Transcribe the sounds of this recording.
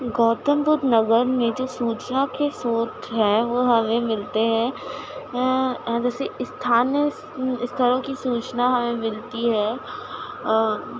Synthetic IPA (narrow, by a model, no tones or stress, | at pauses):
ɡɔːt̪əmbʊd̪nɐɡəɾmẽd͡ʒoːsuːt͡ʃnakesoːt̪ɦɛʋoɦɐmẽmɪlt̪eɦɛ̃ | d͡ʒɛːseɪst̪ʰaːnəs | ɪst̪ʰəɾõkisuːt͡ʃnaɦɐmẽmɪlt̪iɦɛː